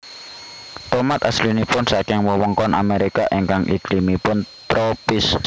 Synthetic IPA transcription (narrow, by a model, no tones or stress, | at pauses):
t̪ɔmat̪aslinipʊnsakɪŋwəwəŋkɔnʔa̰meɾikaʔiŋkaŋʔḭɡ̥limipʊnt̪ɾopɪs